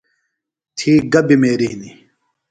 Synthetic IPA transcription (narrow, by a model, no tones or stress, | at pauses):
t̪ʰiːɡɐbimeːɾiɦni